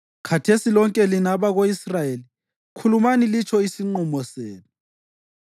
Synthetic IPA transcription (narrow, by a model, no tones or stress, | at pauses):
kʰatʰesilɔŋkʼɛlinaβaɣoisrajeli | kʰulumanilit͡ʃʰɔisiŋ͡ǃumɔseːnu